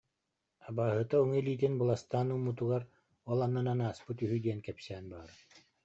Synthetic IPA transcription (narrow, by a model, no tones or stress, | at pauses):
abaːɦɯt̪auŋɯliːt̪̬inbɯlˠast̪aːnumːut̪uɡaɾ | ɔlˠanːananaːspɯt̪yɦyd̪iɛnkɛpsɛːnbaːɾ